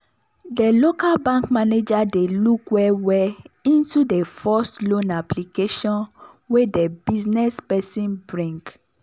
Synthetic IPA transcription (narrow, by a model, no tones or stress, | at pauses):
delokalbãŋkmaned͡ʒadelukwɛwɛĩntudefɔstlõnaplikeʃɔ̃n | wedebiznɛspɛsĩnbɹĩŋk